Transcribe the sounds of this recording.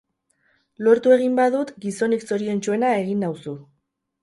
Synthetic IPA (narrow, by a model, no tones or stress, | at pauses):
lo̞ɾt̪ue̞ɣ̞imbaðut̪ɡiso̞nikso̞ɾie̞nt͡ʃue̞nae̞ɣ̞inawsu